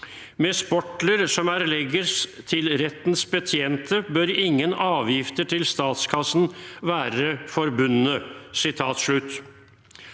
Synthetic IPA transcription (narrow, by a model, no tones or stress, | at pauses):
meːspɔʈləɾsɔmæɾlɛɡəst̪ʰɪlɾɛt̪nsbət̪ʰjeːnt̪ʰəbœɾɪŋːənɑːʋjɪft̪əʈʰɪlst̪ɑːt̪skʰɑsnʋæːɾəfɔɾbʉnːəsɪt̪ʰɑːt̪ʂɭʉt̪ː